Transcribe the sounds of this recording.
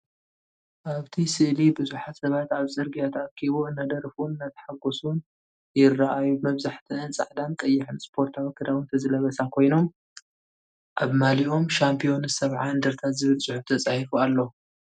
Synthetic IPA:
ʔaβt̪ʰisɨʔlibɨzuħat̪sɐβat̪aβzʼɨɾɡijat̪ʰakʰːiβoɨnːad̪ɐɾfunɨnːat̪ʰɐ̥ħaɡosun | jɪrːaʔajumɐβzaħt̪ʰɨɨnt͡sʼa̰ʕd̪ank̪ʼɐjːɪħɨnspʰo̞ɾt̪ʰawikʰːɨd̪awɨnt̪ʰɐzɨlɐβɐsakʰo̞jno̞m | ʔaβmaliʔo̞mʃampʰijo̞nsɐβʕaɨnd̪ɨɾt̪ʰat̪zɨβɨlsʼʊħuft̪ʰɐt͡sʼahifualːo

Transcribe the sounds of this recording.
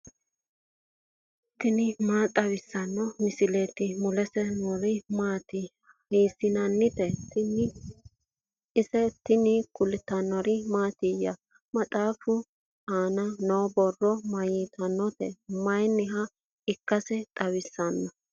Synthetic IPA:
t̪ːɪnɪmaːt̪ʼɐwɪsːɐnːɔmɪsɪleːt̪ːɪmʊlɛsɛnɔɾɪmaːt̪ɪ | heːsɪnɐnːɪt̪ɛtn | ɪsɛt̪ːɪnɪkʊlɪt̪ːɐnːɔɾɪmaːt̪ɪjɐ̰ | mɐt̪ʼaːfʊ | aːnɐnoːbɔrːɔmɐjiːt̪ʰʼɐnːɔt̪ɛ̰mɐjnɪɦɐ | ɪkːɐsɛt̪ʼɐwɪsːɐnːɔ

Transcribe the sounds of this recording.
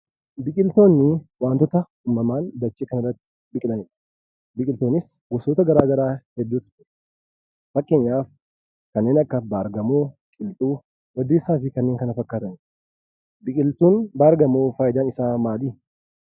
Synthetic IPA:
bɪkʼɪlt̪o̞ːnːɪwaːnt̪ɔt̪ɐ | uːmːɐmaːnd̪ɐt͡ʃːeːkɐnɐrːɐt̪ːɪ̥ | bɪkʼɪᶑ̪ɐnɪᶑɐ̥ | bɪkʼɪlt̪oːnɪs | ɡɔsoːt̪ɐɡɐɾaːɡɐɾaːhɛd̪ːuːt̪ʊ̥ɪɾ | fɐkʼːe̞ːɲːaːf | kɐnːeːnɐkːɐbaːɾɡɐmoːkʼɪlt̪ʼuː | wɐd̪ːeːsːaːfɪkɐnːeːŋkɐnɐfɐkːaːt̪ɐnɪᶑ | bɪkʼɪlt̪uːnbaːɾɡɐmoːfaːjd̪aːnɪsaːmaːd̪iː

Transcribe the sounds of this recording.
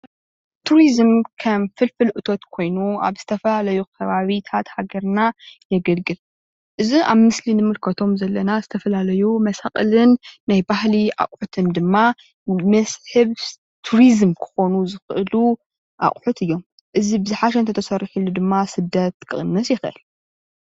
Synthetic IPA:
t̪ʰuɾizmkʰɐmfɨlfɨlʔɨt̪ʰo̞t̪kʰo̞jnua̰βz̥ɨt̪ʰɐfɐlalɐjukʰɐβaβit̪ʰat̪haɡɐɾnajɛɡɐlɡɨl | ʔɨziʔa̰βmɨslinɨmɨlkʰɐt̪ʰo̞mzɐlːɐnazɨt̪ʰɐfɐlalɐjumɐsa̰χʼɨlɨnːajbahlia̰χʼħut̪ʰɨnd̪ɨmːa | mɐsħɨβ | t̪ʰuɾizmkʰɨ̥xo̞nuzɨxʔɨlu | ʔa̰χʼħut̪ʰɨjːo̞m | ʔɨzibɨzɨħaʃ̬ɛnt̪ɐt̪ʰɐsɐɾiħulːud̪ɨmːasɨd̪ɐt̪̚kʰɨχʼɨnːɨsjɪxʔɨ̰l

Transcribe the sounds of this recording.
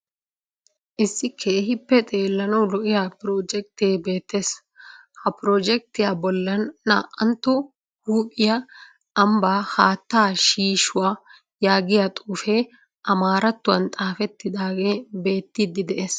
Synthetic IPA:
ʔɪsːɪkʰeːɦɪpːɛt̪ʼe̞ːlːɐnɐwlɔʔɪjaːpɾoːd͡ʒɛk̚t̪ɪeːbe̞ːt̪ːeːs | hɐpɾoːd͡ʒɛk̚t̪ɪjaːbɔlːɐnːa̰ːʔɐnt̪ːɔ | huːpʼɪja | ɐmbaːhaːt̪ːaːʃiːʃʊwaː | jaːɡɪjat̪ʼuːfeː | ʔɐmaːɾɐt̪ːʊwɐnt̪ʼaːfɛt̪ːɪd̪aːɡe̞ːbe̞ːt̪ːɪd̪ɪd̪ɛʔeːs

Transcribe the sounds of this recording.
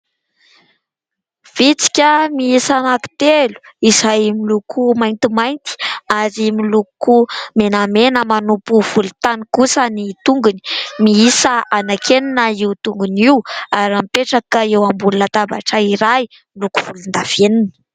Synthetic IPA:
v̥it͡si̥kʲəmiisamaki̥t̪elu̥izajmilukʰumajnt̪imajnt̪i̥azimilukumenamenəmanupuv̥ulut̪anikusənit̪uŋɡuni̥miisəanakʰeninəiwt̪uŋɡuniwaɾampeʈ͡ʂakaewambulunat̪aba̰ʈ͡ʂəiɾaj | milukuv̥ulund̪av̥eninə̥

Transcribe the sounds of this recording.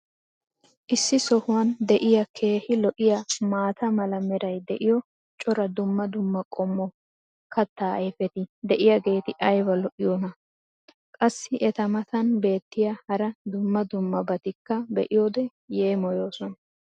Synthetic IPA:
ʔɪsːɪsɔhʊwɐnd̪ɛʔɪjɐkʰe̞ːhɪlɔʔɪjɐmaːt̪ɐmɐlɐmɛɾɐjd̪ɛʔɪjɔ | t͡ʃʼɔɾɐd̪ʊmːɐd̪ʊmːɐkʼɔmːɔ | kɐt̪ːaːefɛt̪ɪd̪ɛʔɪjɐɡe̞ːt̪ɪʔɐjbɐlɔʔɪjoːnɐ | kʼɐsːɪʔɛt̪ɐmɐt̪ɐnbe̞ːt̪ːɪjɐhɐɾɐd̪ʊmːɐd̪ʊmːɐbɐt̪ɪkːɐbɛʔɪjoːd̪ɛ | je̞ːmɔjo̞ːsɔnɐ

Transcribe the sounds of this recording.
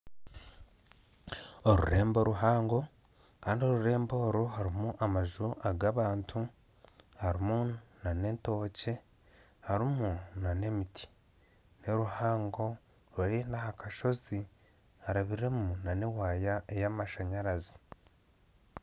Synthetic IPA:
oɾṵɾe̞ːmbo̞ɾuɦaːŋɡo̞ | kaːndio̞ɾuɾe̞ːmbo̞ːɾuɦaɾimuʔamaʒuʔaɡaːβaːntʰu | haɾimunane̞nto̞ːce̞ | haɾimunane̞mitʰi̥ | ne̞ɾuhaːŋɡo̞ | ɾoɾinahakaʃo̞zi | aɾaβiɾe̞munanewaːjaejamaʃaɲaɾazi̥

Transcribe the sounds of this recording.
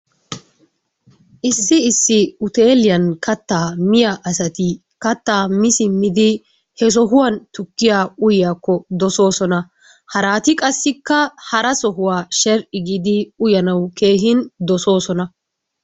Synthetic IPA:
ʔɪsːɪɪsːɪʊt̪e̞ːlɪjɐnkʰɐt̪ːaːmɪjɐʔɐsɐt̪ɪ | kɐt̪ːaːmɪsɪmɪd̪ɪ | hɛs̬ɔɦʊwant̪ʊkːɪjaːʊjɪjaːkːɔd̪ɔso̞ːsɔnɐ | hɐɾaːt̪ɪkʼɐsːɪkːɐhɐɾɐsɔɦʊwaːʃɛɾʔɪɡiːd̪ɪʊjɐnɐwke̞ːɦɪnd̪ɔso̞ːsɔnɐ

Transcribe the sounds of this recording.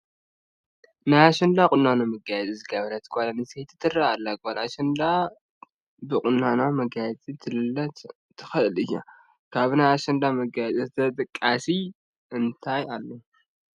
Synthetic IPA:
najaʃɐnd̪akʼʊnːanomɐɡajɛt͡sʼizɨɡɐβɐɾɐt̪ʰɨ̥kʷʼalanɨset̪ʰɨ̥t̪ʰɨraalːaɡʼanaʃɐnd̪a | bɨkʼʊnːanomɐɡajɛt͡sʼit̪ʰɨlɨlːɐt̪ | t̪ʰɨ̥xɐʔɨlɨjːa̰ | kʰaβnaaʃɐnd̪amɐɡajt͡sʼzt̪ʰɐt̪ʼɨkʼːasi | ʔɨnt̪ʰajalːo

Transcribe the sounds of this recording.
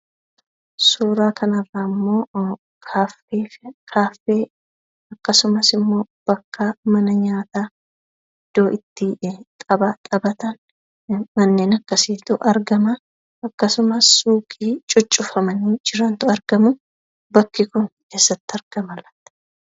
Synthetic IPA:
suːɾaːkʰɐnɐrːaːɪmːo̞ː | kʰaːfeːkʰaːfeː | ɐkːɐsʊmɐsɪmːo̞ː | b̥ɐkʰːamɐnɐɲaːt̪aː | ɪd̪̥ːo̞ːʔɪt̪ːɪt̪ʼɐbat̪ʼɐbɐt̪ɐn | mɐnːe̞ːnɐkːɐsiːt̪ʊʔɐɾɡɐmɐ | ɐkːɐsʊmɐsːuːkʼiːt͡ʃʼʊt͡ʃʼːʊfɐmɐnid͡ʒɪɾɐnt̪ʊɐɾɡɐmʊ | bɐkːɪkʊnke̞ːsːɐt̪ːɪɐɾɡ̥ɐmɐlɐt̪ːɐ̥

